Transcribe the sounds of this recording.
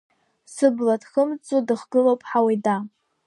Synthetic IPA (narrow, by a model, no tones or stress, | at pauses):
sɨblatχəmt͡sʼudɨχɡɨlowpʼħawajda